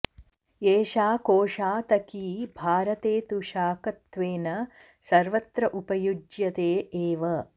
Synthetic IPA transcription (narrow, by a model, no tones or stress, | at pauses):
eːʃaːkoːʂaːt̪ɐkiːbʱaːɾɐt̪eːt̪uʃaːkɐt̪ʋeːnɐ | sɐɾʋɐt̪ɾɐʔupɐjud͡ʒjɐt̪eːeːʋɐ